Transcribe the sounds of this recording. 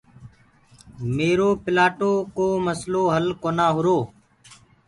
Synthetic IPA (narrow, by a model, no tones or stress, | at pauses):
meːɾoːpɪlaːʈoːkoːməsloːɦəlkoːnaːɦʊɾoː